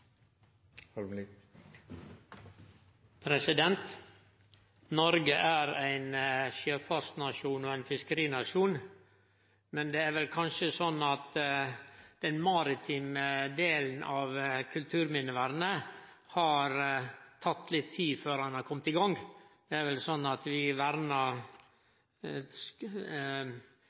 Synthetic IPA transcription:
pʰɾɛsɪd̪ɛnt̪ | nɔɾɡəʔæɾæɪnʃøːfɑɾsnɑʂuːnɔæɪnfɪskəɾiːnɑʂuːn | mɛnd̪ɛːæɾʋɛlkʰɑnʃəsɔnːɑt̪ | d̪̥ɛnmɑɾɪt̪ʰiːməd̪eːlən̩ʔɑʋkʰʉlt̪ʰʉːɾmɪnəʋæːɾənə | hɑɾt̪ʰɑt̪ːlɪt̪ʰːiːføːɾhɑnhɑɾkʰɔmt̪ɪɡɑŋd̪̥ɛæɾʋɛlsɔnːɑt̪ʋɪʋæɾnɑ

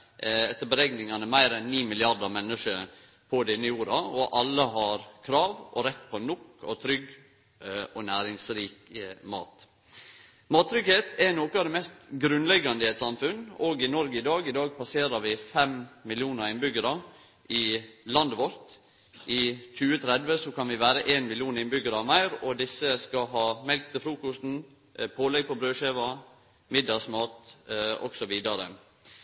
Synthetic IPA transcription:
ɛt̪ːəbəɾɛɡnɪŋɑnəmæɪɾɛnniːmɪlɪɑɾd̪ɑɾmɛnːəʂə | pʰɔd̪ɛɪnːɪjuːɾɑɔʔɑlːəɦɑɾkʰɾɑːʋʔɔɾɛt̪ːpʰɔnʊkːɔt̪ʰɾʏɡ | ɔnæːɾɪŋsɾiːkmɑ̰ːt̪ | mɑːt̪ʰːɾʏɡheːt̪ɛnoːkəɑʋd̪ɛmɛst̪ɡɾʉnlɛɡɑnd̪əɛt̪sɑmfʉnoːɡɪnɔɾɡəɪd̪ɑːɡɪd̪ɑːɡ̚pʰɑseːɾɑɾʋɪfɛmmɪlɪuːnəɾɪnbʏɡəɾɑ | ʔɪlɑnd̪əʋɔɾt̪ | ʔɪc͡çʉːət̪ʰɾɛd̪ʋəsɔkɑnʋɪʋæːɾəʔeːnmɪlɪjuːnɪnbʏɡəɾɑmæɪɾɔd̪ɪsːəskɑɦɑːmɛlk̚t̪əfɾuːkʊst̪n̩ | pʰoːlɛɡ̚pʰɔbɾøːʃeːʋɑ | mɪd̪ːɑɡsmɑːt̪ɔ̰ɡsɔʋiːd̪ɑɾə̰

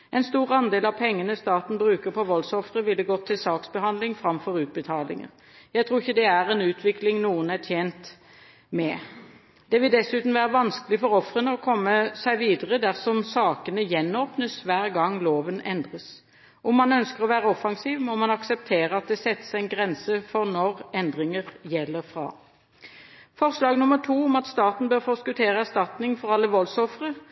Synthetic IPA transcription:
ɛɪnst̪uːɾɑnd̪eːlɑʋpʰɛŋːənəst̪ɑːt̪n̩bʁʉːkəʁpʰɔʋɔlsɔfɾəʋɪlːəɡɔt̪ʰːɪlsɑːksbəhɑnd̪lɪŋfɾɑmfɔʁʉːt̪̚bət̪ʰɑːlɪ̰ŋə̰ʁ | jæɪt̪ʰɾuːɪçːəd̪ɛæɾɛnʉːt̪ʰʋɪklɪŋnuːənæt̪ʰjeːnt̪ | mɛ | d̪̥ɛʋɪld̪ɛsʉːt̪n̩ʋæːʁəʋɑnskəlɪfɔʁɔfʁənəɔkʰɔmːəsæɪʋiːd̪əʁəd̪æʁsɔmsɑːkənəjɛnːoːpnəsʋæːʁɡɑŋːloːʋənɛnd̪ʁəs | ɔmːɑnœnskəʁɔʋæːʁəɔfɑŋsiːʋmɔmɑnɑksɛp̚t̪ʰeːʁəɑt̪̚d̪ɛsɛt̪ːə̥sɪnɡʁɛnsəfɔʁnɔʁɛnd̪ʁɪŋəʁjɛlːəʁfʁɑ̰ː | fɔʁslɑːɡnʊmːəʁʈʰuːʊmɑt̪st̪ɑːt̪n̩bøːʁfɔskʉt̪ʰeːʁəæʁst̪ɑt̪nɪŋfɔʁɑlːəʋɔlsɔfʁə

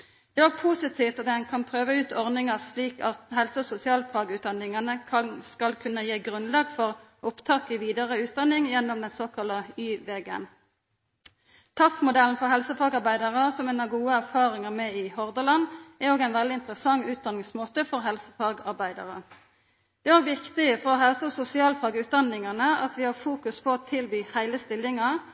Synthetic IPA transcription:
d̪̥ɛːoːɡpʰuːsɪt̪ʰiːft̪ɔd̪ɛnkʰɑnpʰʁøːʋəʉːt̪ɔʁnɪŋɑsliːkɑt̪hɛlsəɔsʊsɪɑːlfʰɑːɡʉːt̪̚d̪ɑnːɪŋɑnəkʰɑskɑlkʰʉnːəjeːɡʁʉnlɑːɡfɔʁʔʊpt̪ʰɑːkɪʋiːd̪ɑʁəʉːt̪̚d̪ɑnːɪŋjɛnːɔmd̪ɛnsoːkʰɑləyːʋeɡə̰n | t̪ʰɑfmʊd̪ɛln̩fɔʁɦɛlsəfɑːɡɑʁbæɪd̪ɑʁəsɔmɛːnɑɡuːəæʁfɑːʁɪŋɑmɛɪhɔʁd̪əlɑnæɾoːɡæɪnʋɛld̪ɪɪnt̪ʁəsɑŋːʉːt̪̚d̪ɑnɪŋsmoːt̪əfɔʁɦɛlsə̥fɑːɡɑʁbæɪd̪ɑ̰ʁə | d̪̥ɛæːʋɪkt̪ɪəfɔʁɔɦɛlsəsʊsɪɑːlfɑːɡʉːt̪̚d̪ɑnɪŋɑnəɑt̪ʋɪhɑfuːkʉspʰɔɔt̪ʰɪlbyːhæɪləst̪ɪlːɪŋɑ

